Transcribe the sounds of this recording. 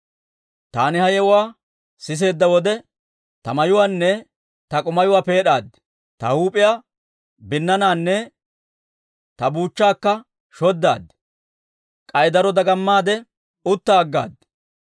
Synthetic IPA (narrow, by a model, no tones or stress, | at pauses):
t̪aːnɪhɐjɛʊwaː | sɪs̬e̞ːd̪ːɐwɔd̪ɛ | t̪ɐmɐjʊwaːnːɛ | t̪ɐkʼʊmɐjʊwaːpe̞ːɗaːd̪ | t̪ɐhuːpʼɪjaː | bɪnːɐnaːnːɛ | t̪ɐbuːt͡ʃːaːkːɐ | ʃɔd̪ːa̰ːd̪ | kʼɐjd̪ɐɾɔd̪ɐɡɐmːaːd̪ɛ | ʊt̪ːaːɡːa̰ːd̪